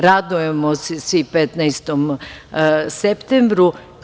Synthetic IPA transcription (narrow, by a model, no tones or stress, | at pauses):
ɾad̪ujemossʋipet̪nɛjst̪om | sept̪embɾu